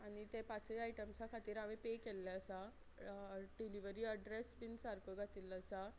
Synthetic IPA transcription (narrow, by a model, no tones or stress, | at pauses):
anit̪epat͡seaiʈəmsakʰat̪iːɾaʋepekelːaəsa | ɖiliʋəɾiəɖɾesbinsaɾkoɡat̪iləsa